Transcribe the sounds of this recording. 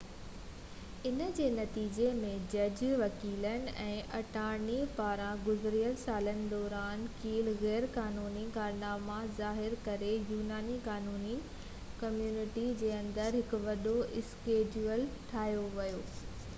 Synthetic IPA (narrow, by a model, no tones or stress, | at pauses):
ɪnə̆d͡ʑeːnɐt̪iːd͡ʑemẽd͡ʑɐd͡ʑʋɐkiːlənɪ̆ɛ̃ːʔɐʈaːɾnipaːɾãɡʊzɾijəlsaːlənɪ̆d̪ɔːɾaːnkiːlɣɛːɾkaːnuːnikaːɾnaːmazaːɦɪɾkɐɾejuːnaːnikaːnuːni | kɐmjuːnɪʈid͡ʑeːɐ̃nd̪əɾɦɪkʊ̆ʋɐɗoɪskeːd͡ʑuːəlʈʰaːɦjoʋɐjoː